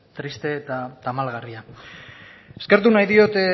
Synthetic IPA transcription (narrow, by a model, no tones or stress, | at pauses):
t̪ɾist̪e̞ːt̪at̪amalɣaria | e̞ske̞ɾt̪̬unajðio̞t̪e